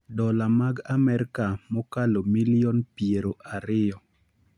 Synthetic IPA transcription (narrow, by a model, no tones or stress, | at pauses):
dɔlamaɡamɛɾkamɔkalomilɪɔnpieɾoʔaɾɪjɔ